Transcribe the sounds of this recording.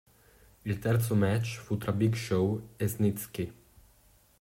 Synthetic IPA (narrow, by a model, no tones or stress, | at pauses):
ilt̪ɛɾt̪somɛt͡ʃfut̪ɾabikʃowɛznit̪ski